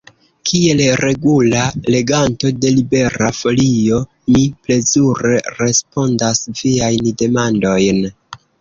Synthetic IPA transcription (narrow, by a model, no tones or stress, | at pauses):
kʰie̞lɾe̞ɡulale̞ɡanto̞de̞libe̞ɾafo̞lio̞ | miple̞zuɾe̞ɾe̞spo̞ndasviajnde̞mando̞jn